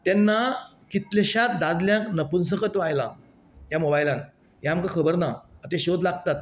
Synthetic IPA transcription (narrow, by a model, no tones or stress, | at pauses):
t̪ɛnːa | kit̪leɕat̪̚d̪ad̪ljãknəpuns̬əkət̪ʋajla̰ | jamobajlãn | jaamkakʰəbəɾnaːt̪ẽɕod̪laɡ̚t̪at̪̚